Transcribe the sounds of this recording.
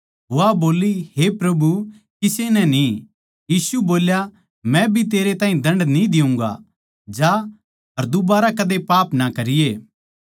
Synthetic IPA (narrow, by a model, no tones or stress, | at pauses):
aboːliɦepɾɐbu | kɪsenɛni | jiːsuboːlja | mɛ̃bʱit̪̬eːɾet̪ãːĩd̪ɐ̃ɳɖnid̪ɪʊ̃ŋɡa̰ | d͡ʒa | ɐɾd̪ʊbaːɾakɐd̪epaːpnakɐɾɪjeː